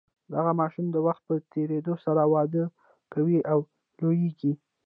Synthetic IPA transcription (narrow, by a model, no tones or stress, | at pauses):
d̪aɣamɑʃumd̪əwaxt̪̚pət̪eɾed̪osaɾawɑd̪ə | kawiaw | lojeɡi